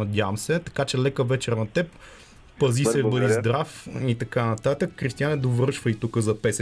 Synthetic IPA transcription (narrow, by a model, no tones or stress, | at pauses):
ɐd̪ʲjamsɛt̪ɐ̥kat͡ʃɛlɛkəvɛt͡ʃɛɾnɐt̪ɛp | pɐzisɛbəd̪izd̪ɾafit̪ɐkanɐt̪at̪əkːɾist̪ijanɛd̪ovɾɤʃvəit̪ukəzɐpɛs